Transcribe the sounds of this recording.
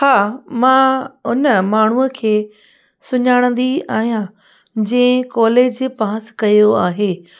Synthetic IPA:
haːmãːʊnəmaːɳ̤uːəkʰeː | sʊɲaːɽ̃ə̃nd̪iaːɦijã | d͡ʑɐ̃ɪ̃kɔːleːd͡ʑpãːskɐjoaːɦeː

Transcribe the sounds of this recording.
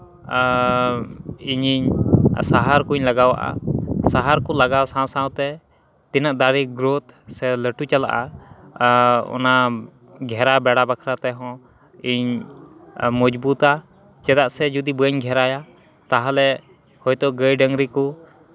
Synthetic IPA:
iɲiɲsaɦaɾkuɲlaɡawa̰ʔa̰saɦaɾkɔlaɡawsãsãwt̪ɛ | t̪inaʔd̪aɾiɡɾot̪sɛləʈut͡ʃala̰ʔa̰ | ɔ̰na | ɡʱɛɾabɛɽabakʰɾat̪ɛɦɔ̃ | iɲ | mɔd͡ʒbut̪a | t͡ʃɛd̪aʔsɛd͡ʒud̪ibəɲɡʱɛɾaja | t̪aɦalɛ | hɔjt̪ɔʔɡəjɖəŋɡɾiku

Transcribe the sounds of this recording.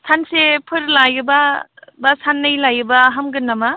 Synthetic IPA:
tʰansepʰɯɾlajɯbabasanːɐjlajɯbaɦamɡɯnːama

